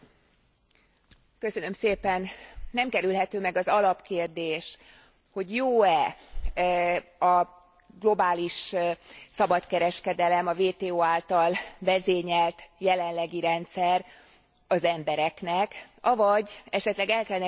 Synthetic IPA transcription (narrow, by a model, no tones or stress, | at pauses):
kø̞sø̞nø̞mseːpɛnnɛmkɛɾylɦɛt̪øːmɛɡɒzɒlɒpkeːrd̪eːʃ | ho̞ɟjoːɛ | ɒ | ɡlo̞baːliʃ | sɒbɒt̪kɛɾɛʃkɛd̪ɛlɛmɒveːt̪eːoːaːlt̪ɒlvɛzeːɲɛlt̪jɛlɛnlɛɡiɾɛnt̪sɛr | ɒzɛmbɛɾɛknɛkɒvɒɟɛʃɛt̪lɛɡɛlkɛlnɛ